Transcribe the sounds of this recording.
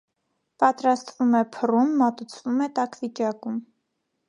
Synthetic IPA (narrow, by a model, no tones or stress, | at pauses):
pɑt̪ɾɑst̪vumɛpʰərumːɑt̪ut͡sʰvumɛt̪ɑkʰvit͡ʃɑkum